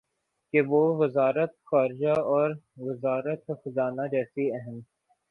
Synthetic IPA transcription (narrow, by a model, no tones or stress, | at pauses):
keʋoʋɪzaːɾət̪xaːɾɪd͡ʒaɔːɾʋɪzaːɾət̪xʊzaːnad͡ʒɛːsiɛɦəm